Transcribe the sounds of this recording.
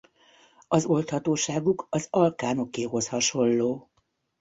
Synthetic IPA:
ɒzo̞lt̪hɒt̪oːʃaːɡukɒzɒlkaːno̞keːɦo̞shɒʃo̞lːoː

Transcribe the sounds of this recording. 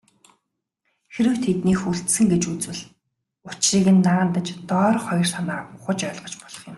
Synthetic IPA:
xeɾɘ̆wt̪ʰet̪niːxuɬt̪sɘ̆ŋɡet͡ɕut͡swɘ̆ɮ | ʊt͡ɕriːɣɘ̆nːaːnt̪ə̆t͡ɕt̪ɔːrχɔjɞ̆r̥sanaːʊχə̆t͡ɕœɮʁɞ̥̆t͡ɕpɔɮ̥ɞ̆χjʊ̆m

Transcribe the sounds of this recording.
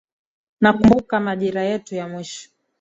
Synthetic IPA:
nakumbukamaʄiɾajɛtujamwiʃɔ̥

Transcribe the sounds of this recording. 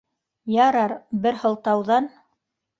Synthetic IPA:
jɑɾɑɾbɘɾhɤ̆lˠt̪ɑwðɑn

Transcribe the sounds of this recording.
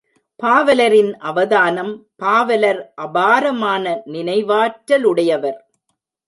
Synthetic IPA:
paːʋɐlɐɾɪnʔɐʋɐðaːnɐmpaːʋɐlɐɾʔɐbaːɾɐmaːnɐnɪnɐɪʋaːʈːɐlɯɽɐjɐʋɐɾ

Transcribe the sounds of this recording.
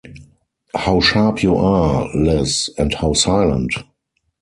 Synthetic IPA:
haʊʃaɹpʰjuʔalɛsɛ̃nthaʊsaɪlə̰̃nt

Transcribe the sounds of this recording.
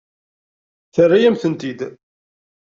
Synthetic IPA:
θərˤːajæmθənt̪id̪

